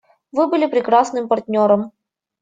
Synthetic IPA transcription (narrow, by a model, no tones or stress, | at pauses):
vɨbɨlʲɪpɾʲɪkɾasnɨmpɐrtʲnʲoɾəm